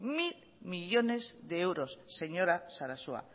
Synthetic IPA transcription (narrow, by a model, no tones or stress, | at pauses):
mil | miʎo̞ne̞zðeewɾo̞sːe̞ɲo̞ɾasaɾasua̰